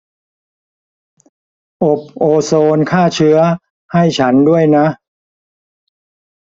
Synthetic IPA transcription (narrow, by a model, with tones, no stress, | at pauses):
ʔo˨˩p̚ʔoː˧soː˧nkʰaː˥˩t͡ɕʰɯ˦˥ɐ | ha˥˩jt͡ɕʰa˦˥ndu˥˩əjna˦˥ʔ